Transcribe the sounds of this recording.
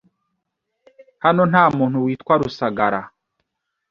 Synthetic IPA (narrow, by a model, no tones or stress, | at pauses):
hanon̥haːmuːn̥huwiːtkwaɾusaɡaɾa̰